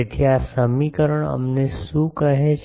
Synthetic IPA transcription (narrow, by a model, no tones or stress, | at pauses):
et̪ʰijasəmikəɾəɽ̃ə̰mnesukəɦẽt͡ʃ